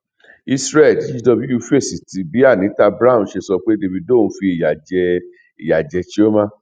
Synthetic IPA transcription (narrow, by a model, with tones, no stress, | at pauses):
i˧sɾɛ˦˨di˦˧dɔ˧bi˦ju˧fe˦˨si˨ti˨˦bi˨˦a˦˨nĩ˨˦ta˧bɾa˦ũ˨˧˦ʃe˧sɔ˧k͡pe˦de˧vi˧dõ˦˨˦fi˧e˨ja˨d͡ʒɛ˧ | i˨ja˨d͡ʒɛ˧t͡ʃi˦o˦mã˦